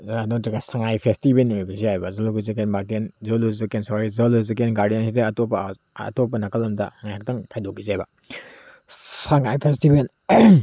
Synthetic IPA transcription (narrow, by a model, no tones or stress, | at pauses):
duŋtɾiɡasaŋajpʰestibenibiziajbɐzɐluɡizikenmaɾtenzoluzikensoɾizɐluzikenɡaɾdijensideɐtopːɐ̰ | tɔp̬ːɐnɐkɐlɐmdɐ̰haŋajhak̚tɐŋkʰajdokizajbɐ | saŋajpʰestiben